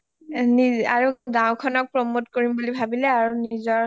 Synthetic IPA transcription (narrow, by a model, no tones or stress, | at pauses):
niaɹuɡãʊ̃kʰɔnɔk̚pɹɔmotkoɹimbulibʱabilɛaɹunizɔɹ